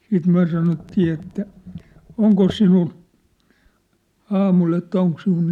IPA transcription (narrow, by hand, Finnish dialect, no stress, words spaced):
siːt myæ̝ sɑnotːiː etːæ oŋkos sinul ɑːmul etːæ oŋk sinul